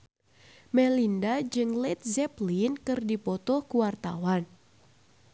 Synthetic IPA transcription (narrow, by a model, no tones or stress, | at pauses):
mɛlindad͡ʒɨŋlɛt̪̚zɛplinkɨrdipɔt̪ɔhkuwart̪a̰wan